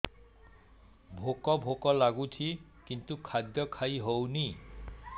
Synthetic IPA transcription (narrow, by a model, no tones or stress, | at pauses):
bʱokɔbʱokɔlaɡut̪ʰikint̪ukʰad̪jɔkʰajɦowni